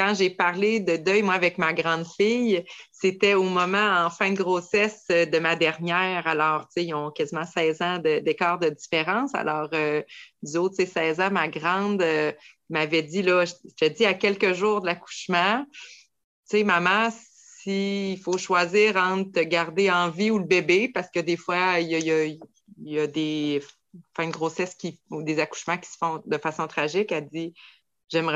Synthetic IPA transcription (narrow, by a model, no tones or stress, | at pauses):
kɑ̃ʒepaʁled̪əd̪œjmwaːvɛkmaɡʁɑ̃d̪fijset̪ɛomɔmɑ̃ɑ̃fɛ̃d̪əɡʁosɛsød̪əmad̪ɛʁnjɛːʁalɔːʁt͡seɔ̃kazimɑ̃sɛːzɑ̃d̪əd̪ekɑːʁd̪əd̪ifeʁɑ̃ːsa̰lʔɔːʁød̪yot̪sesɛːzãmaɡʁɑ̃d̪ø | mavɛdd͡zilɔʒt̪ɛdziakʲɛlkəʒuːʁd̪əlaku̥ʃmã | t͡semamaɑ̃s | iːfoʃwaziːʁɑ̃t̪t̪əɡaʁd̪eɑ̃viuləbebepaʁskəd̪efwaijʌjə | jəd̪e | fɛ̃nɡʁosɛskʲiud̪ezaku̥ʃmɑ̃kʲi̥sə̥fɔ̃d̪əfasɔ̃t̪χaʒɪkad͡z̪i | ʒ̥ɛmʁ